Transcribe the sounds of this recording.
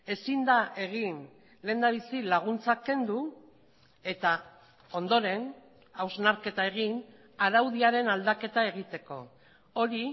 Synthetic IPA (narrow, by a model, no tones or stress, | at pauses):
e̞sind̪ae̞ɣ̞in | le̞ːnd̪aβ̞isilaɣ̞unt͡sake̞nd̪u | e̞t̪a | o̞nd̪o̞ɾe̞n | awznaɾke̞t̪ae̞ɣ̞in | aɾawð̞iaɾe̞nald̪ake̞t̪ae̞ɣit̪e̞ko̞̰ | oɾi